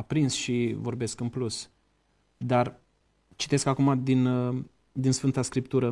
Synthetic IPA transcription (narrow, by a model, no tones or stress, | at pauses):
pɾinsʃivo̞rbe̞skɨnplus | d̪ar | t͡ʃi̥t̪e̞skakumad̪in | d̪insfɨnt̪askɾipt̪uɾə